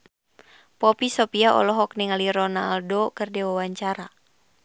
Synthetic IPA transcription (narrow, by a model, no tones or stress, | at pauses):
pɔpisɔpiaʔɔ̰lɔɦɔk̚niŋaliɾɔnaldɔkɨrdɛwawaɲt͡ʃaɾa